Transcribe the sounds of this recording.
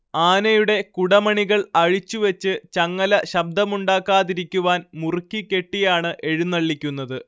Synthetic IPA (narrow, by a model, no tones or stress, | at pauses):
aːnɐjuɽe̞kuɽɐmɐɳiɣɐɭɐɻit͡ɕːuʋɐt͡ɕːɨt͡ɕɐŋːɐlɐɕɐb̚d̪ʱɐmuɳɖaːkːaːðiɾikʲːuʋaːnmurkʲːikʲːe̞ʈːijaːɳɨʔe̞ɻunːɐɭːikʲːunːɐðɨ